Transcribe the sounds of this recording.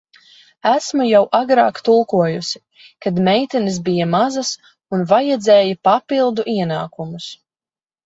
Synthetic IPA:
æsmujawʔaɡɾa̰ːkt̪ulˠkuɔjusi̥ | kad̪mɛjt̪ɛnis̬bijamazɐs | unvajɛd̪zɛːjipapilˠd̪uʔiɛnaːkumus

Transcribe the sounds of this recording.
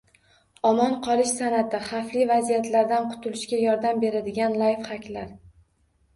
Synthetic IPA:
ɒmɒnqʰɒlˠɪʃsanat̪ɪχaflivazijat̪ʰlaɾd̪anqʰʊ̥t̪ʰʊlɪʃkʲajɒɾd̪ambe̞ɾad̪ɪɡʲanlˠajfχakʲlaɾ

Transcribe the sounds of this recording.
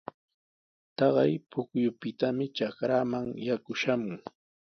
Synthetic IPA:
t̪ɑɢɑjpʊkjʊpɪt̪amɪt͡ʃakɾaːmaŋjakʊʃamʊŋ

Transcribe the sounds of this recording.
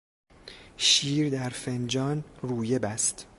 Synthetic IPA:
ʃiːɾd̪æɾfend͡ʒɒːnruːje̞bæst̪

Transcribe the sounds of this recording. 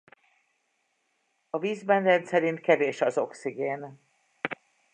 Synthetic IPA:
ɒviːzbɛnrɛnt̪sɛɾint̪̚kɛveːʃɒzo̞ksiɡeːn

